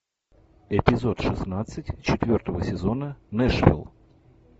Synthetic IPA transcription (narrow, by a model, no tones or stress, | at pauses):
ɪpʲɪzot̪ʂɨsnat̪sɨtʲt͡ɕɪt̪vʲo̞rt̪əvəsʲɪzonənɛʂvʲɪ̰lˠ